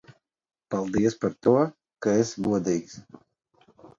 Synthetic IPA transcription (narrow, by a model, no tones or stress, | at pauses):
palˠd̪iɛspaɾt̪uɔ | kaɛsbuɔd̪iːks